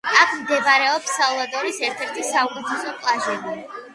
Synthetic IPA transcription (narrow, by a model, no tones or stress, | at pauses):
akʰmd̪ɛbaɾɛɔpsːalˠad̪ɔɾisɛɾt̪ʰɛɾt̪ʰisaukʼut̪ʰɛsɔpʼlˠaʒɛbi